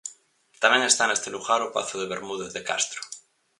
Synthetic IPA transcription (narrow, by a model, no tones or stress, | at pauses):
t̪amjeŋest̪aenest̪eluɣaɾopa̰θoðeβeɾmuðeððeka̰st̪ɾo̥